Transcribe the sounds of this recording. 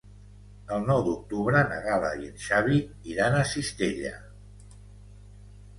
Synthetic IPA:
əlˠnɔwd̪uk̚t̪uβɾənə̰ɣala̰jənʃaβi | iɾanasist̪eʎa̰

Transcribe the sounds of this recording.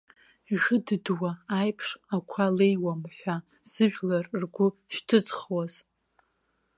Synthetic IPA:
iʐɨdɨdwaːjpʰʂakʷʰalejwamħʷᶣa | z̥ɨʒᶣlarrɡʷʊʃtʰɨd͡zχwaz̥

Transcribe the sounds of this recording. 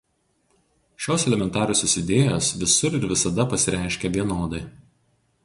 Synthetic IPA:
ʃʲoːsɛlʲɛmʲɛnt̪ɑːɾʲoːsʲosʲɪd̪ʲeːjoːsʋʲɪsʊɾɪɾʋʲɪsɐd̪ɐpɐsʲɪɾʲæˑɪʃʲkʲɛʋʲiɛnoːd̪ɐɪ

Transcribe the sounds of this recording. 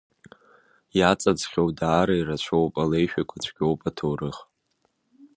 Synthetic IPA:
jat͡sʼad͡zχʲowdaːɾairat͡ʃʷʰowpʼalejʃᶣakʷʰat͡ʃʷʰɡʲo̞wpʼatʰowɾɨχ

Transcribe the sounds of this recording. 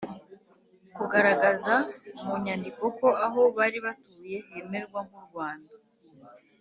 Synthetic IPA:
kuɡaɾaɡazamuɲandiko̞ko̞aɦo̞βaːɾiβatuːje̞he̞me̞ɾɡwaŋuɾɡwaːnda

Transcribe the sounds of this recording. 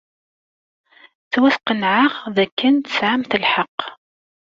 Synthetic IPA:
t͡sːwæsqənʕaʁðækːənt̪ə̥sʕamθəlħɑqː

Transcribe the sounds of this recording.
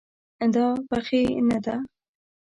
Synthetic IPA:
d̪ɑbaxenad̪a

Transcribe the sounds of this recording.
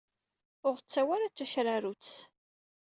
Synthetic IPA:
ʊʁt͡sːæwaɾat͡sːæʃɾaɾut͡s

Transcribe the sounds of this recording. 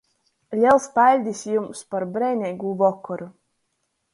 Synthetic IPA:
lʲiɛlˠspalʲd̪ʲisjumspaɾbɾɛjnʲɛjɡuːvɔkːɔɾu

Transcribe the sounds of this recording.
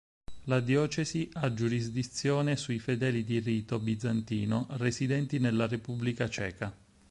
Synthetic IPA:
lad̪jɔːt͡ʃeziʔad͡ʒuɾizd̪it̪sːjoːnesuifed̪ɛːlid̪iriːt̪obid̪zant̪iːnorezid̪ɛnt̪inelːarepubːlikat͡ʃɛːka

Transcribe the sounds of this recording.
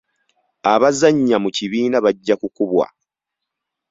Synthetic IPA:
aβazaɲːamuciβiːnaβaɟːakukuβwa̰

